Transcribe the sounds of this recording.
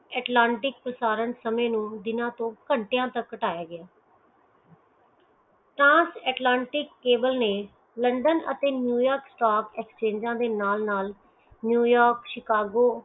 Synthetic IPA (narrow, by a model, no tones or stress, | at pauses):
ɛːʈlãːɳʈɪk̚pəsaːɾənsəmeːnũːd̪ɪnãːt̪õːkəɳʈejãːt̪əkːəʈaːjaːɡɪjaː | ʈɾãːnsɛːʈlãːɳʈɪkːeːbəlneː | ləɳɖənə̰t̪eːnjuːjɔːɾksʈaːkɛːkst͡ʃẽːɲd͡ʒãːd̪eːnaːlnaːl | njuːjɔːɾkʃɪkaːɡoː